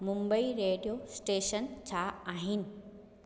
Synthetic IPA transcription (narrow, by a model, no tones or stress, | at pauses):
mumbəiɾeːɖijosʈeːʃənt͡ɕʰaaːɦin